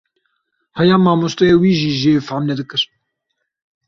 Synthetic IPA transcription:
hɛjaːmaːmost̪ɛjeːwiːʒiːʒeːfamnɛd̪ɨkɨɾ

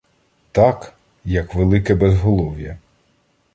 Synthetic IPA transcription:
t̪ɑk | jɐkʋelˠɪkɛbɛzɦɔlˠɔʋjɐ̰

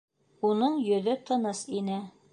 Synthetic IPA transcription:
unɤɴjɵ̆ðɵt̪ʰɤ̆nɤsinɘ

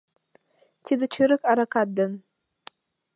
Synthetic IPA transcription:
t̪ʰid̪ɨt͡ʃʰɨɾɨkʼaɾakʰat̚d̪an

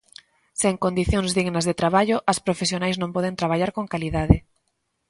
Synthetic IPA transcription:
seŋkond̪iθjõŋzðiɣnɐzðet̪ɾaβaʎʊʔɐspɾofesjonajznõmpɔð̞ent̪ɾaβ̞aʎaɾkoŋkaliðaðɪ

